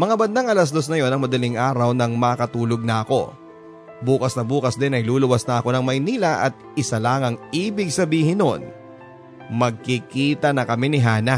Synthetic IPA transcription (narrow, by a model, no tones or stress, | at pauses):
mɐŋabɐnd̪aŋʔɐlɐs̬d̪o̞s̬nɐjo̞nɐŋmɐd̪ɐlɪŋʔaːɾɐwnɐŋmɐɐkɐt̪uːlo̞ɡ̚nɐʔɐko̞ | buːkɐsnɐbuːkɐsd̪ɛnɐjluːlʊwɐsnɐʔɐko̞nɐŋmɐjniːlɐʔɐt̪̚ɪsɐlaːŋɐŋʔiːbɪɡ̚sɐbiːhɪnːon | mɐɡ̚kɪkiːt̪ɐnɐkɐmɛnɪɦaːnɐ